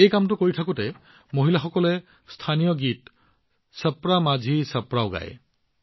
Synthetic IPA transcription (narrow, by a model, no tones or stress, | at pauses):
ejkamtʊkoɹitʰakʊtɛ | moɦilaxɔkɔlɛ | stʰanijɔɡit | səpɹamazʱisəpɹaʊɡa̰j